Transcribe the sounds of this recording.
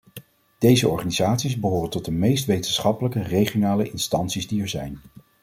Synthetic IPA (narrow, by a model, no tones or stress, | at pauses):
d̥ejzəɔ̰ɹχaːnizaːtsizbəɦoːrəntɔt̚dəmejstʋejtənsχɑpələkərejχionaːləʔɪnstɑntsizdiɛɹzɛjn